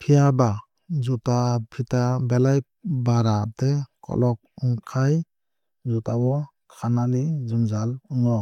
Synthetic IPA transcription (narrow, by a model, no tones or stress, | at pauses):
pʰijaba | zutapʰitabelaj | baɾatɛkʰɔ̰lɔk̚ɔŋkʰaj | zutawɔ | kʰananizumzaluŋɔ